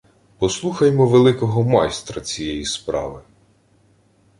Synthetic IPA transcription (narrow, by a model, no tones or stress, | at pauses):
pɔslˠuxɐjmɔʋelˠɪkɔɦɔmɑjst̪ɾɐt͡sʲijɛjispɾɑ̰ʋɪ